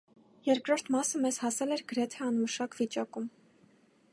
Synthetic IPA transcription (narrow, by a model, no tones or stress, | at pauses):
jɛɾkɾɔɾt̪ʰmɑsəmɛzhɑsɛlɛɾɡəɾɛt̪ʰɛɑnməʃɑkvit͡ʃɑkum